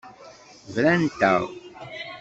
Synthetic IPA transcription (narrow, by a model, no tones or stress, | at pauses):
vɾænt̪ə̰ʁ